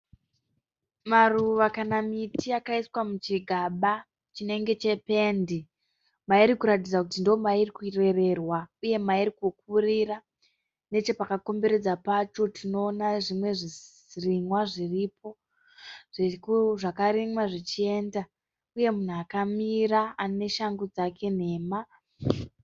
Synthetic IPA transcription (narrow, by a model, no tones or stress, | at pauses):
maruʋakanamitiakaiswamut͡ʃiɡʱaɓa | t͡ʃine̞ŋɡe̞t͡ʃe̞pe̞ndi | maiɾikuɾat̬id͡zakutindoomairikure̞re̞rwauje̞maiɾikuk̚urira | ne̞t͡ʃe̞pakako̞mbe̞ɾe̞d͡zapat͡ʃo̞tʰino̞ːnaʐimwe̞ʐiz | riŋwaʐirip̚ʰo̞ | ʐ̥ikuʐakaɾiŋwaʐit͡ʃie̞nda | uje̞mun̤uakamiɾaane̞ʃaŋɡud͡zakʰe̞n̤e̞ːma